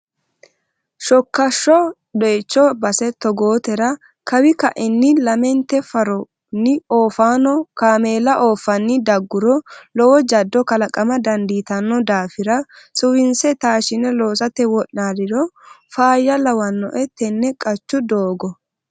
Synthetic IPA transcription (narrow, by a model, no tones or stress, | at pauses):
ʃɔkːɐʃːɔ | ɗeːt͡ʃːɔbɐsɛt̪ɔɡoːt̪ɛɾɐ | kɐwɪkɐʔɪnːɪlɐmɛnt̪ɛfɐɾɔ | nɪoːfaːnɔkaːmeːlɐʔo̞ːfːɐnːɪd̪ɐɡːʊɾɔlɔwɔd͡ʒɐd̪ːɔkɐlɐkʼɐmɐd̪ɐnd̪iːt̪ɐnːɔd̪aːfɪɾɐsʊwɪnsɛt̪aːʃɪnɛlo̞ːsɐt̪ɛwɔʔnaːd̪ɪd̪ɔfaːjːɐlɐwɐnːɔ̰ʔɛt̪ːɛnːɛkʼɐt͡ʃːʊd̪oːɡɔ